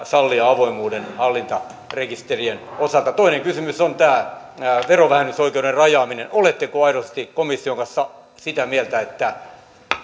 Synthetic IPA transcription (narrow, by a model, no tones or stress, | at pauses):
sɑlːiɑɑʋoimuːdenhɑlːint̪ɑ | rekist̪erienosɑlt̪ɑt̪oineŋkysymysont̪æː | ʋeroʋæhenːysoikeuderrɑjɑːminenolet̪ːekoɑiɾosest̪ikomisːioŋkɑ̃nsːɑ | sit̪æmielt̪æet̪ːæ